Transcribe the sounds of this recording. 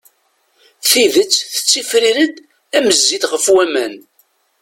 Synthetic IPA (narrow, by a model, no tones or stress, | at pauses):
θiðət͡sːθə̥t͡sːifɾiɾəd̪ | æməzːid̪ʁəfwæmæn